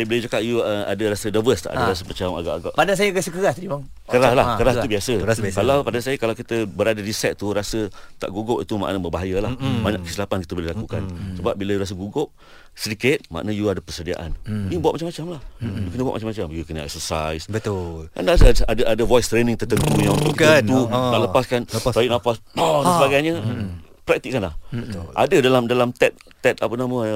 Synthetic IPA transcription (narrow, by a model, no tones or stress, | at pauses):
ajbolɪd͡ʒakaʔjuəa̰dəɾasədavəst̪a̰ʔa̰daɾas̬əmat͡ʃama̰ɡaʔaɡaʔpadas̬ajəɡasəkəɣast̪ədimaŋ | kəɾaslahkəɾaubiasəaskalawpadansajəkalawkit̪əbəɾadədisɛt̪̚t̪uɾasət̪a̰ʔɡuɡʊʔit̪uma̰ʔnabəbaɦajəlahbaɲã̰ʔkəsilapankit̪əbolɪhlakukansəbap̚biləjuɾas̬əɡuɡʊʔ̚ | sədikɪt̪̚ma̰ʔnajuadapərsədia̰ʔa̰nibawaʔ̚mat͡ʃamat͡ʃamlahjukənəba̰ʔmat͡ʃamat͡ʃamjukənaʔɛ̰k̚səsajsbət̪ula̰naas̬aadaʔadəvɔjst̪ɾenɪ̃ŋt̪ərt̪ənt̪ujãunt̪ʊʔkikat̪unaʔləpaskantajiʔnapasasəbaɡajɲəpɾɛk̚t̪ik̚kːanlah̪ʔa̰dədalamdalamt̪ɛt̪̚ | t̪ɛt̪apənamə̃